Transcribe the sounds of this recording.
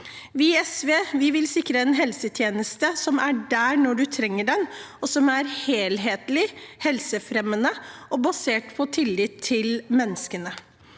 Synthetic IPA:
ʋɪːɛsʋeːʋɪʋɪlsɪkɾəɛnɦɛlsət̪ʰjeːnəst̪əsɔmæɖæːnɔɖʉt̪ʰɾɛŋːəɖɛn | ɔsɔmæɾheːlɦeːt̪lɪhɛlsəfɾɛmənəɔbɑseːʈpʰɔt̪ʰɪlːɪt̪ʰːɪlmɛnːəskənə

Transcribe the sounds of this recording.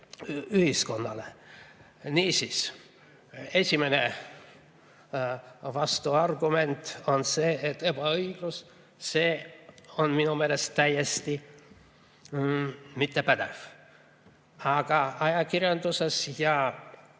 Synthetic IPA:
yhisko̞nːɑ̰le | niːsis | e̞sʲimene | vɑst̪uɑrɡument̪ˑo̞nseːet̪ːe̞b̥ɑɤjɡ̥lus | seːonminumeːlest̪æjest̪i | mit̪ːepæd̪̥ḛv̥ | ɑɡ̥ɑɑjɑkirjɑnd̪usesjɑ

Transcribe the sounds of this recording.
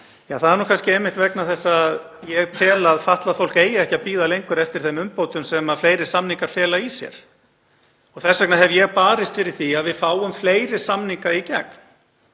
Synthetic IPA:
jaːwθaðɛɾnuːkʰanscɪɛmːɪht̪vɛknaθɛsːaað | jɛɣt̪ʰɛːlaðfaht̪laðfowl̥keːjɪɛhcːapiːðalejŋkʏɾɛft̪ɪɾ̥θejmʏmpoːwt̪ʏmsɛmafleːjɾɪ̥samniŋkaɾ̥fɛːlaisjɛ̰ɾ̥ | ɔɣθɛsvɛknaɦɛvjɛɣpaːɾɪst̪fɪɾɪɾ̥θiaðvɪðfaːwʏmfleːjɾɪ̥samniŋkaicɛ̰kn

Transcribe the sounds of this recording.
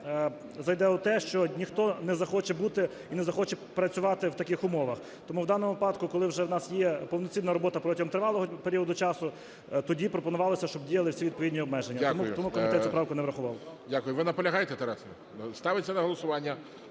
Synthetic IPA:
zɐjd̪ɛʊt̪ɛʃt͡ʃɔnʲixt̪ɔnɛzɐxɔt͡ʃɛbut̪ɪ | inɛzɐxɔt͡ʃɛpɾɐt͡sʲʊʋɑt̪ɪwt̪ɐkɪxʊmɔʋɐx | t̪ɔmuwd̪ɑnɔmʊʋɪpɑd̪kʊkɔlˠɪwʒɛwnɑsjɛpɔwnɔt͡sʲinːɐɾɔbɔt̪ɐpɾɔtʲiɦɔmt̪ɾɪʋɑlˠɔɦɔpeɾʲiɔd̪ʊt͡ʃɑsʊ | t̪ɔdʲipɾɔpɔnʊʋɑlˠɐsʲɐʃt͡ʃɔb̚dʲijɐlˠɪwsʲiʋʲid̪pɔʋidʲnijɔb̚mɛʒenʲːɐtmt̪ɔmukɔmʲiɛsʲɐpɾɑwkʊnɛʋɾɐxʊʋɑlˠdʲakʊjʊʋɪnɐpɔlʲɐɦɑjet̪ɛt̪ɛɾɑs | st̪ɑʋɪt͡sʲːɐnɐɦɔlˠɔsʊʋɑnʲːɐ

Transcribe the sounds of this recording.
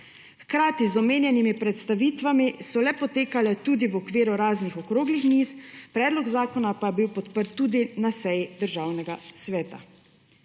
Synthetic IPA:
xkɾaːt̪izɔmeːnjɛnimipɾɛt̪st̪aʋiːt̪ʋamisɔlɛpɔt̪eːkalɛt̪uːd̪iwɔkʋeːɾuɾaːznixɔkɾoːɡlixniːspɾɛːd̪lɔɡzaːkɔnapajɛbiwpɔt̪pəɾt̪ːuːd̪inasɛjid̪əɾʒaːwnɛɡasʋɛːt̪a̰

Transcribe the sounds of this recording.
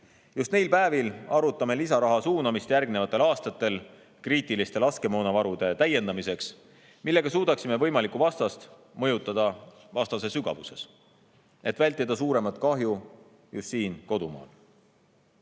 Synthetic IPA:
just̪ne̞jlpæevilɑɾut̪ːˑɑmelisɑɾɑɦɑsuːnɑmist̪jærɡne̞vɑt̪ːˑe̞lɑːst̪ɑt̪ːˑe̞l | kriːt̪ˑilist̪e̞lɑske̞mo̞ːnɑvɑɾud̪̥e̞t̪æjːe̞nd̪̥ɑmise̞ks | milːe̞ɡ̥ɑsuːd̪̥ɑksimevɤjmɑlikːˑuvɑst̪ɑst̪ | mɤ̞jut̪ːˑɑd̪̥ɑ | vɑst̪ɑse̞syɡ̥ɑ̰vuse̞s | e̞t̪ːvælʲt̪ːˑid̪̥ɑsuːɾe̞mɑt̪ˑkɑɦju | jṵst̪siːnko̞d̪umɑ̰ːl

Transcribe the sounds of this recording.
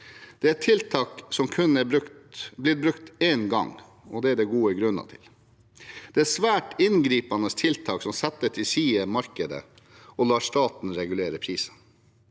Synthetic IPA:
d̪̥ɛæt̪ʰɪlt̪ʰɑːksɔmkʰʉnəɛbɾʉkt̪blɪɾbɾʉkt̪eːnɡɑ̰ŋ | ɔd̪ɛæɖɛɡuːəɡɾʉnɑ̰t̪ʰɪl | d̪̥ɛæːsʋæːʈɪnɡɾiːpɑnəst̪ʰɪlt̪ʰɑːksɔmsɛt̪ːət̪ʰɪsiːəmɑɾkəd̪ə̰ | ɔlɑːʂt̪ɑːt̪n̩ɾɛɡʉleːɾəpʰɾiːsə̥

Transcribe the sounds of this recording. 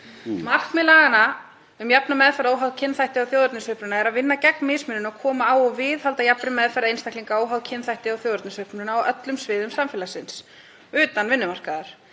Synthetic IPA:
mar̥kmɛlaːɣana | ʏmjapnamɛðfɛɾaowɦawðcʰɪnθajht̪ɪawθjowðɾt̪nɪshœɥhpnʏnaɛɾaðvɪnːacɛknmɪːsmɪnʏnɔkʰɔːmaːwɔvɪðhalt̪ajapnɪmːɛðfɛɾaejnst̪akliŋkaoːwɦawðcʰɪnθajht̪ɪawθjowðɾt̪nɪshœɥhpnʏnʏnawœt̪lʏmsvɪːðʏmsamfɛːlasɪns | ʏːt̪anvɪnːʏmar̥kaðaɾ̥

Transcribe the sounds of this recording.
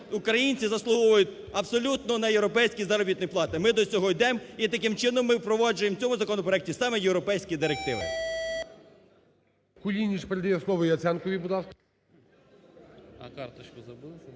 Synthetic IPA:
ʊkɾɐjinʲt͡sʲizɐslˠuɦɔʋɔjʊtʲ | ɐbsɔlʲut̪nɔnɐjewɾɔpɛjsʲkʲijzɐɾɔbʲit̪nʊjplˠɑt̪ɪmɪd̪ɔt͡sʲɔɦɔjd̪ɛmit̪ɐkɪmt͡ʃɪnɔmːɪwpɾɔʋɔd͡ʒʊjemt͡sʲɔmʊzɐkɔnɔpɾɔɛk̚tʲisɑmɛjewɾɔpɛjsʲkʲid̪ɪɾek̚t̪ɪʋɪ̰ | kʊlʲinʲit͡ʃpɾed̪ɐjɛslˠɔʋɐiɐsʲɛnkɔʋʲibʊd̪ɑ | ɐ̰kɑrt̪ɐʃkɔzɐbulˠsʲ

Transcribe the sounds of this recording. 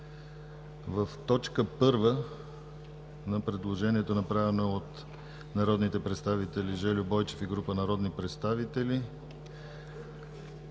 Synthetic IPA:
vəft̪ɔt͡ʃkəpɤɾvə | nɐpɾɛd̪lˠoʒɛniɛt̪onɐpɾavɛnoot̪ | nɐɾɔd̪nit̪ɛpɾɛt̪st̪avit̪ɛliʒɛlʲʊbɔjt͡ʃɛ̥fiɡɾupənɐɾɔd̪nipɾɛt̪st̪avit̪ɛli

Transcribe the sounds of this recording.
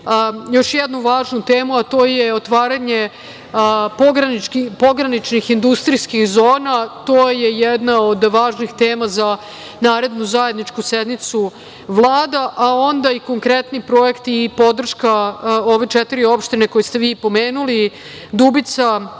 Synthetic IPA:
jo̞ʃjɛd̪nuʋaːʒnut̪eːmuat̪o̞ːjeot̪ʋaːɾaɲe | poɡɾanikipo̞ɡɾanit͡ʃnixind̪ust̪ɾijskixzoːnat̪oːjejɛd̪nao̞d̪ʋaːʒnixt̪eːmaza | naːɾe̞d̪nuzaje̞d̪nit͡ʂkusɛd̪nit̪su | ʋlˠaːd̪aʔao̞nd̪aiko̞ŋkɾet̪nipɾo̞ekt̪ipo̞d̪r̩ʃkaoʋe̞t͡ʃɛt̪iɾio̞pʃt̪ineko̞jest̪eʋiːpo̞meːnuli | d̪ubit̪sa

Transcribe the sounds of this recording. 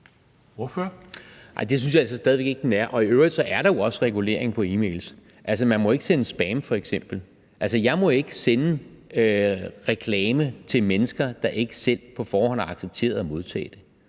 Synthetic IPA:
oføɐɑ̰ɪd̥e̝syn̩sjɑ̈ælsəsd̥ɛð̞ˠʋeɡ̥eɡ̥̚d̥enæɐʔɒ̽iøʊð̩ˠsɒ̽ʔæɐɾ̥ɑ̈jo̝ɒ̽sʁɛɡ̥ule̝̰ɐ̰eŋpʰɒ̽iːmḛːls | ʔælsɐmænmɒ̽e̝ɡ̥əsenəsb̥ɛːmfɒ̽eɡ̥sem̰b̥l̩ | ʔælsəjɑ̈ɪmɒ̽e̝ɡ̥əsenəøʁɛkʰlɛːmət͡sʰe̝lmenəsɡ̥ɐd̥ɑ̈ʔe̝ɡ̥ə̥sel̰pʰɒ̽fɒːhɒ̽nɑɑ̈ɡ̥seb̥̚t͡sʰe̝̰ːɐð̩ˠɒmo̝ð̞ˠt͡sʰɛ̰ːd̥e̝

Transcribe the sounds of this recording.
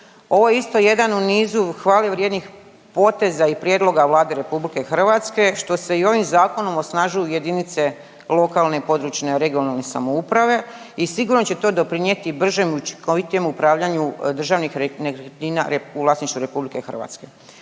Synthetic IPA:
o̞ʋojeist̪o̞je̞d̪anuniːzuxʋaːleʋɾjed̪nix | po̞t̪e̞zaipɾje̞d̪lˠo̞ɡaʋlˠaːd̪e̞ɾe̞publike̞xr̩ʋat̪ske̞ʃt̪o̞se̞io̞ʋimzaːko̞no̞mo̞snaʒujuje̞d̪init̪se̞ | lˠo̞kalˠne̞po̞d̪ɾut͡ʃne̞ɾe̞ɡio̞nalˠne̞sa̰mo̞upɾaʋe̞ | isiɡuɾno̞t͡ɕe̞t̪o̞ːd̪o̞pɾinjet̪ibr̩ʒemut͡ʃi̥koʋit̪ijemupɾaːʋʎaɲud̪r̩ʒaʋnixɾenet̪inaɾeuʋlˠaːsniʃt̪uɾe̞publike̞xr̩ʋa̰t̪ske̞

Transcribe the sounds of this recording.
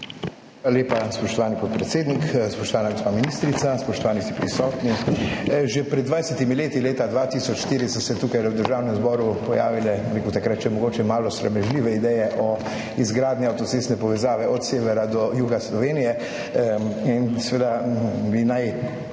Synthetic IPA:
xalaljeːpaspɔʃt̪ɔʋaːnipɔt̪̚pɾɛt̪seːd̪nikspɔʃt̪ɔʋaːnaɡospaminist̪ɾit̪saspɔʃt̪ɔʋaːnist̪ipɾisɔːt̪ni | ʒɛpɾɛd̪ːʋajsɛt̪imileːt̪ileːt̪ad̪ʋaːt̪isɔt͡ʃʃt̪iːɾisɔsɛt̪uːkajwd̪əɾʒaːwnɛmzbɔːɾupɔja̰ːʋilɛɾeːkut̪akɾat̪t͡ʃɛmɔɡoːt͡ʃɛmaːlɔsɾɛ̰mɛʒliːʋɛid̪ɛjɛʔɔ | izɡɾaːd̪niawt̪ɔseːst̪nɛpɔʋɛzaːʋɛʔɔt̪seːʋɛɾad̪ɔjuːɡaslɔʋeːnijɛ | insɛʋeːd̪abinaj

